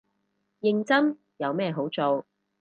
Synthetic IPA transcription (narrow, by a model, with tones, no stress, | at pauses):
jɪ˨˧ŋt͡sɐ˥m | jɐ˨˧wmɛː˥ɦo˨˥wt͡so˨w